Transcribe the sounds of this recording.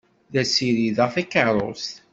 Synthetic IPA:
ðæsiɾiðæθækəɾˤo̰st̪

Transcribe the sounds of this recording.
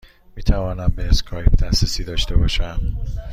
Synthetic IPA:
miːt̪ʰævɒːnæmbeeskʰɒːjp̚d̪æsesiːd̪ɒːʃt̪ebɒːʃæn

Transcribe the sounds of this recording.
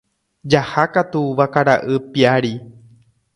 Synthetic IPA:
d͡ʒahakat̪uʋakaɾaʔɨpiaɾi

